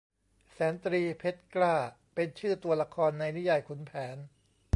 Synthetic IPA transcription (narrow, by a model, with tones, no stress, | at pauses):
sɛː˩˦nt̪ɾiː˧pʰe˦˥t̪̚klaː˥˩ | pe˧nt͡ɕʰɯː˥˩t̪u˧ɐla˧kʰɔː˧nːa˧jni˦˥ja˧jkʰu˩˦npʰɛː˩˦n